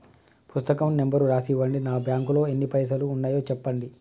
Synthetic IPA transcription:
pust̪ɐkɐmnembɐɾuɾaːsiʋɐɳɖinaːbjaːŋkulo̞ːenːipɐjs̬ɐluːnːaːjo̞ːt͡ʃɛpːɐɳɖi

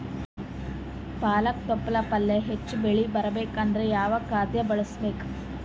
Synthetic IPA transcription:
paːlɐk̚t̪ɔpːɐlɐpɐlːeɦet͡ʃːbeɭibɐɾɐbeːkɐnd̪ɐɾejaːʋɐkːaːd̪jɐbɐɭɐsbeːk

